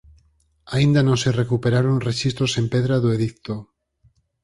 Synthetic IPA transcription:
aĩnd̪anõŋserekupeɾaɾonreʃist̪ɾosempeðɾaðoeðikt̪o

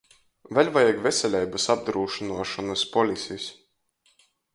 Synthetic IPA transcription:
vʲɛlʲvajaɡvʲesʲɛlʲɛjbɨsab̚d̪ɾuːʃinuɔʃɔnɐspɔlʲisʲisʲ

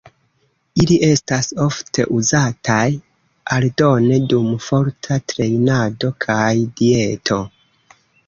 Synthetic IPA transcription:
iliʔe̞staso̞ftʰe̞̰ʔuzataj | aldo̞ne̞dumfo̞ɾtʰatɾe̞jnado̞kʰajdie̞tʰo̞

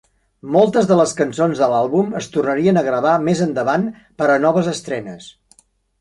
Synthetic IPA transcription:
mɔlˠt̪əzðələskənsonzðəlalˠβuməst̪urnəɾiənəɣɾəβ̞amezənd̪əβan | pəɾənɔβ̞əzəst̪ɾɛnəs

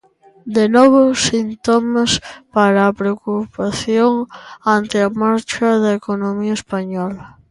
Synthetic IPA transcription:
d̪enɔβʊsint̪omɐspaɾɐːpɾeokupaθjoŋant̪ɪɐmaɾt͡ʃɐðɐekonomiɐespaɲɔlɐ

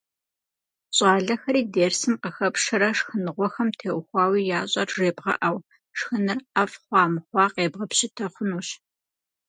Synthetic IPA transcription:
ɕʼɑːɮɐxɐɾiːdeːrsɨmqəxɐpʂɨɾɐʂxɨnɨʁʷɔxɐmtʰeːwxʷɑːwiːjaːɕʼɐrʐeːbʁɐ̰ʔɐw | ʂxɨnɨrɐfχʷɑːmɨχʷɑːqeːbʁɐpɕɪtʰɐχʷʊnuːɕ

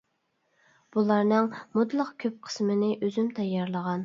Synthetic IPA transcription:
b̥ulˠɑɾnɨŋmud̪lˠəqkʲʰøp̚qʰə̥smɨnɪʔøzymt̪ʰɑjːɑɾlˠəʁɑn

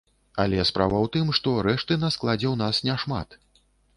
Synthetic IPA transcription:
alʲɛspɾa̰vɐwt̪ɨmʂt̪ɔɾɛʂt̪ɨnɐsklˠad͡zʲɛwn̪asnʲɛʂma̰t̪

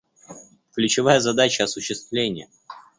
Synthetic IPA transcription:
klʲʉt͡ɕɪvajəzɐd̪at͡ɕəɐsʊɕːɪst̪vlʲenʲɪjə

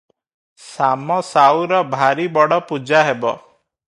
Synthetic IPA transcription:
samɔsawɾɔbʱaɾibɔɽɔpud͡ʒaɦebɔ̰

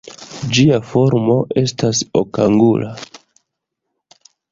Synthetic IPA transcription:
d͡ʒiafo̞ɾmo̞ʔe̞stasokaŋɡulʔa

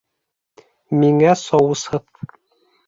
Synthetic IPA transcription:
miŋæsɒwɤ̆sɤt

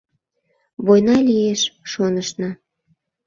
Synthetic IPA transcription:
βojnɑlʲieʃʃonəʃnɑ

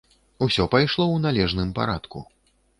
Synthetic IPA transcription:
usʲɔpajʂlˠɔwnalʲɛʐnɨmpa̰ɾat̪kṵ

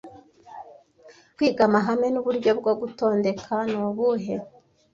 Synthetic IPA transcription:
kwiːɡamaɦame̞nuβuɾɟo̞bɡo̞ɡuto̞ːnde̞kʰanoβuɦe̞

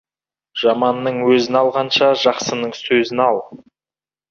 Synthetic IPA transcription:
ʒ̥ɑmɑnːəɴwɵzɪnɑlˠʁɑnʃɑʒɑqsənəɴsɵzɪnɑlˠ

